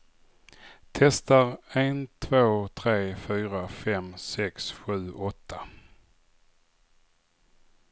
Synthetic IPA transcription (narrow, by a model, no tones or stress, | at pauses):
t̪ʰɛst̪aɾent̪ʰvoːt̪ʰɾeːfyːɾafɛmsɛksɧʉ̟ːʔɔt̪ʰːa